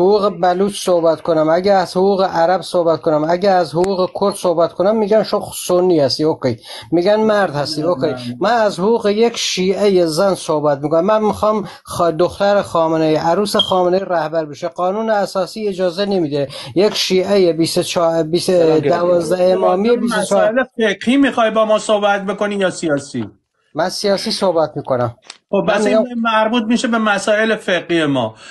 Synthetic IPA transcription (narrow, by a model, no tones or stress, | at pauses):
hoɣuːɣebæluːt͡ʃsohbæt̪kʰonæmæɟææz̥hoɣuːɣeʔæɾæbsohbæt̪̚kʰonæmæɟææzhoɣuːɣekʰoɾd̪̥sohbæt̪kʰonæmːiːɡænʃosonːiːhæst̪iːokej | miːɡænmæɾd̪hæst̪iːokʰejmænæzhoɣuːɣejekʰʃiːʔejezænsohbæt̪̚mikonæmːænmixɒm | d̪oxt̪æɾexɒːmeneiʔæɾuːsexɒːmeneiɾæhbæɾbeʃeɢɒːnuːneæsɒːsiːed͡ʒɒːzenemiːd̪ejekʲʃiːʔejebisot͡ʃʰːbisævɒːzd̪æemɒːmiebisot͡ʃːelefeqhiːmixɒːjbɒːmɒːsohbæt̪̚be̞konijɒːsijɒːsḭ | mænsijɒːsiːso̞hbæt̪miːkonæmxobːæsæɾbuːt̪̚miʃebemæsɒːelefeɡhiːjemɒː